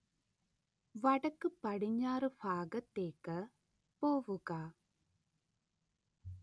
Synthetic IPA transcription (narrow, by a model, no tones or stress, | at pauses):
ʋɐʈɐkɨpɐɽiɲaːɾufʰaːɡɐt̪eːkɐ | poːʋukaː